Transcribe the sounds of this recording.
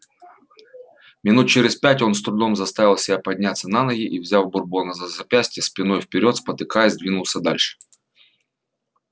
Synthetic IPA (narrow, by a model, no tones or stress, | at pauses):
mʲɪnut̪̚t͡ɕɪɾʲɪspʲætʲo̞nst̪ɾʊd̪o̞mzɐst̪avʲɪlˠsʲɪbʲapɐdʲnʲat̪sːənanəɡʲɪʔivzʲavbʊrboɔnɐzɐzɐpʲæsʲtʲɪjəsʲpʲɪno̞jfpʲɪɾʲo̞t̪spət̪ɨkajɛzʲd̪ʲvʲinʊlˠsʲəd̪a̰lʲʂɨ̥